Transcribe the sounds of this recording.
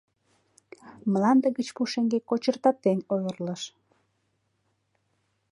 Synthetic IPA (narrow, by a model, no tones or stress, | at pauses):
mlɑnd̪əɣət͡ɕpuʃeŋɡekot͡ɕərt̪ɑp̚t̪enʲojərləʃ